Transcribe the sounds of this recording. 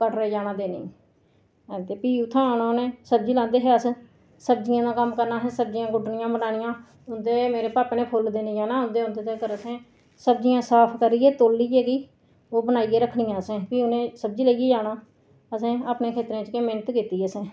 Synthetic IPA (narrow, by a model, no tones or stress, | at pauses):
kəɽɾed͡ʒaːɽ̃ãːd̪eːnḛː | ɛ̃ːt̪eːpiːʊt̪ʰːãːnãːonẽːsəb̚d͡ʒiːlãːnd̪eːɦɛːəs | səbd͡ʒɪjãːd̪ãːkəmkəɾnaːɦẽːsəb̚d͡ʒɪjãːɡʊɖnɪjãːbəɽaːñɪjãː | ʊnd̪eːmeːɾeːpaːpeːnẽːpʰʊld̪eːnẽːd͡ʒaːnãːʊnd̪eːʊnd̪eːt̪eːkəɾəsẽː | səbd͡ʒijãːsaːpʰkəɾiːɛːt̪oːlːiːɛːkiː | oːbənaːiːeːɾəkʰːɳɪjãːəsẽːpiːʊnẽːsəb̚d͡ʒiːləieːd͡ʒaːɽãː | əsẽːaːpneːkʰeːt̪ɾẽːt͡ʃkeːmɪːnət̪kiːt̪ːiːəsẽː